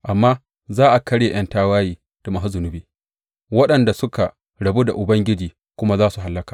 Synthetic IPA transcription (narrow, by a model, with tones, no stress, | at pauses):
ʔa˨mːaː˦ | zaː˦ʔa˨kɐ˦ɽje˨j̰ɐ˦ntaː˦waː˦jiː˦ | d̥a˨mɐ˨ɦa˦zʊ˨nʊ˦biː˦ | wɐ˦ɗɐ˨nda˨sʊ˦ka˨ | ɽɐ˨bu˦da̰˨ʔʊ˨bɐ˦ŋɡʲɪ˦d͡ʒiː˨ | kʷʊ˦ma˦zaː˦su˨ɦa˨lːɐ˦kaː˨